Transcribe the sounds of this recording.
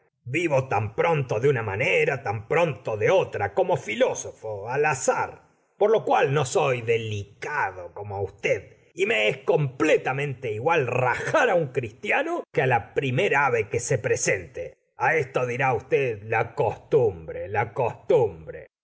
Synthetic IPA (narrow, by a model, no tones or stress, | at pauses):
biβot̪ampɾo̞nt̪oðeunamaneɾat̪ampɾo̞nt̪oðeot̪ɾako̞mo̞filosofoalasa̰ɾ | poɾlo̞kwalno̞so̞jðe̞likaðoko̞moaust̪eð | ime̞esko̞mplet̪amẽnt̪e̞iɣwalraxaɾauŋkɾist̪janokealapɾimeɾaaβekese̞pɾese̞nt̪e | aest̪oðiɾaust̪eðlako̞st̪umbɾelako̞st̪umbɾe̞̰